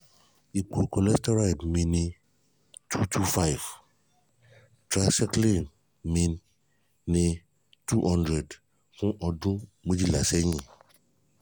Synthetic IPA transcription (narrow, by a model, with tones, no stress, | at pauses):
i˨k͡po˨kɔ˨lɛ˦stɔ˦ɾa˦i˨dmĩ˨nĩ˨ | tʰu˦tʰu˦fa˦jv | tɾa˨sɛ˦kli˦˨n | mĩ˨nː | ĩ˧ | tu˦ʔɔ̃˦ndɾɛ˨d | kũ˦ʔɔ˧dũ˦mũ˦d͡ʒi˦la˨sɛ˦ɲĩ˦˨